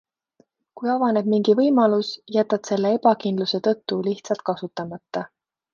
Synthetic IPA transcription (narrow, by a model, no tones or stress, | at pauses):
kujɑvɑne̞b̥miŋɡivɤjmɑlusjæt̪ːˑɑt̪se̞lːee̞pɑkind̪luse̞t̪ɤ̞t̪ːuliht̪sɑlt̪̚kɑsut̪ːˑɑmɑt̪ːɑ